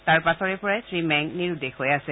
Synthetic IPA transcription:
taɹpasɔɹɛpɔɹajsɹimɛŋniɹudexojasɛ

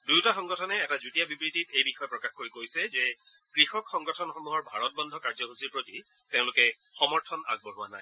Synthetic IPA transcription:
dujtaxɔŋɡɔtʰɔnɛːtazutijabibɹititejbixɔjɔpɹɔkaxkoɹikojsɛzɛ | kɹixɔkxɔŋɡɔtʰɔnxɔmuɦɔɹbʱaɹɔt̚bɔndʱɔkaɹzɔɦusiɹpɹoti | teʊ̃lʊkɛ | xɔmɔɹtʰɔna̰ɡ̚bɔɹʊwanaj

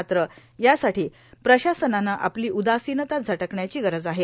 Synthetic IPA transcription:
t̪ɾə | jasaʈiː | pɾəɕasənanaʔapliːʔud̪asinət̪at̪̚d͡zʱəʈəkɳjat͡ɕiːɡəɾəd͡zaɦe

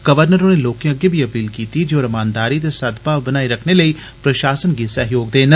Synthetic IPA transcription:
ɡ̥əʋəɾnəɾoːneːloːkjãəɡeːbʱiːəpiːlkiːt̪iːd͡ʒoːɾəmaːnd̪aːɾiːt̪eːsəd̪paːbənaːiɾəkʰneːləiː | pɾəʃaːsənɡiːsəɦjoːɡ̚d̪eːnə

